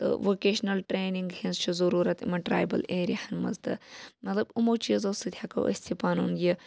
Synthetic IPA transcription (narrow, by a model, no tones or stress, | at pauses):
t̪ɨ̰ʋoːkeːʃnɐlʈɾeːniŋɡhenzt͡ʃʰizɐɾuːɾɐt̪ḭmɐʈɾa̰ːjbɐ̰leːɾihɐnmɐ̰zt̪ɨ̰mɐt̪lɐbumoːt͡ʃizoːsɨt̪ʰʲjaːkɐ̰wʔɐ̰sʲt̪ʰipaːnunji